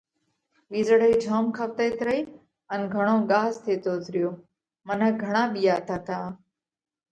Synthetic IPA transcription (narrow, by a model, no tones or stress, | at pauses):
ɓiːzəɽəiːd͡ʒʱoːmkʰəʋt̪eːt̪ɾəiː | ənɡʱəɽ̃õːɠaːɦzt̪ʰeːt̪oːt̪ʰɾɪjoː | mənəɡʱəɽ̃ãːɓijaːt̪ʰaːt̪ʰaː